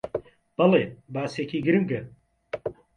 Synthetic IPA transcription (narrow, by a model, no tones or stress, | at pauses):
b̥ɐlebaːseːkiːɡɨɾɨmɡɨ